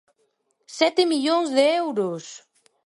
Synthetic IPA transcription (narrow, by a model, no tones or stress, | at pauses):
sɛt̪ɪmiʎoŋzðeɛwɾʊs